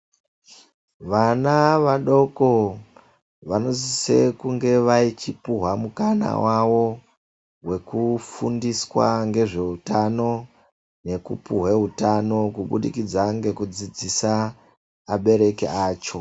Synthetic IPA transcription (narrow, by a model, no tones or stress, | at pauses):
ʋanaʋaɗo̞ko | ʋano̞zise̞kuŋɡe̞ʋait͡ʃipuɦwamukana̰waʋo̞ | we̞kufundiswa̰ŋɡe̞ʐe̞utano̞ | ne̞kupuɦweɦutano̞kuɓuɗikid͡zaŋɡe̞kud͡zid͡zisaː | ɓe̞ɾe̞kḛaːt͡ʃo̞